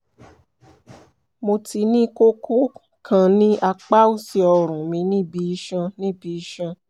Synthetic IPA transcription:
mo˧ti˧˦nĩ˦ko˦ku˦ | kʰã˧nĩ˦ʔa˧k͡pa˦u˦˨si˧ɔ˧ɾ̃ũ˨mĩ˧˦nĩ˦bi˧i˧ʃã˧nĩ˦bi˧i˧ʃã˧

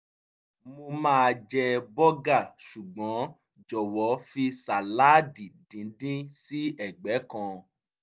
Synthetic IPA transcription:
mo˧mãː˦˨˧d͡ʒɛ˧bɔ˦ɡa˦˨ʃu˨ɡ͡bɔ̃˨˦ | d͡ʒɔ˨wɔ˨˦fi˧sa˨la˨˦di˨dĩ˨˦dĩ˦si˦ɛ˦˨ɡ͡bɛ˨˦kɔ̃˧

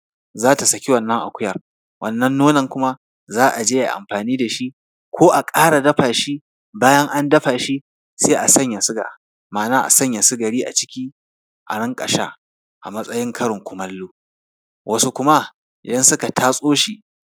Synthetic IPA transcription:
zaː˦ta˨sɐ˨kʲi˦wɐ˨nːɐ˦ŋʔa̰˨kʷʊ˦jɐ˨r | wʔɐ˨nːɐ˦nːoː˦nɐ˨ŋkʷʊ˦ma˦ | zaː˦ʔa˨d͡ʒeː˦ja̰˨ʔa̰˨mɸaː˨niː˦da˨ʃi˦ | kʷʰoː˦ʔa˨kʼaː˦ɽa˨dɐ˦ɸaː˨ʃi˦ | baː˦jɐ˦ŋʔa˦ndɐ˦ɸaː˨ʃi˦ | seː˦ʔa˨sɐ˦ɲja˨sʊ˦ɡa̰˨ | maː˨naː˦ʔa̰˨sɐ˦ɲja˨sʊ˦ɡɐ˨ɽiː˦ʔa̰˨t͡ʃɪ̥˦kʲiː˦ | ʔa̰˨ɽɐ˦ŋkʼɐ˨ʃa̰ː˦ | ʔa˨mɐ˦sʼɐ˦jɪ˦ŋkʰɐ˦ɽɪ˨ŋkʷʊ˨mɐ˦lːuː˦ | wʔɐ˦su˦kʷʊ˦ma˦ | ʔɪ˨dɐ˦nsʊ˦ka˨tʰaː˦sʼoː˦ʃi˨

